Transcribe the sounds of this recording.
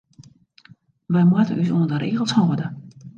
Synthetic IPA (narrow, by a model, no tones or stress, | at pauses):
ʋəjmətənʔysuəndəɾeːɣəlˠshoːədə